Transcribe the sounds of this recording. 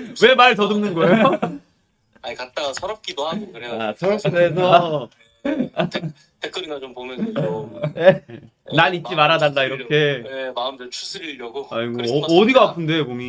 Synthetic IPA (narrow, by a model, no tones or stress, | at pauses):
we̞maɭtʌdɯmnɯnɡʌejo | aikat̚t͈asʰʌɾʌp̚k͈idoɦaɡɯnkɯɾejasʰʌɾʌides̬ʰʌ | tʰek͈ʰɯɾinat͡ɕompomjʌnʰone | naɾit̚t͡ɕ͈imaɾadandaiɾʌkʰe̞emaɯmdɯt͡ɕʰu̥sʰɯɾiɾjʌɡoaiɡoːdiɡaapʰɯnde̞bomj